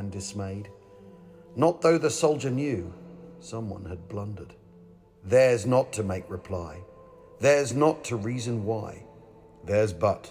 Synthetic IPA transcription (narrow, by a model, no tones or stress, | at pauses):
ndɨsmeɪd | nət̪̚ðoʊðɨsoʊlˠd͡ʒə˞njʉsʌ̃mwʌ̰̃nɨd̚blʌ̃ndə˞d̥̚ | ðə˞znətʰɨmeɪkɹɨpʰl̥aɪ | ðə˞znətʰɨɹizɨ̃nwaɪ | ðə˞zbʌt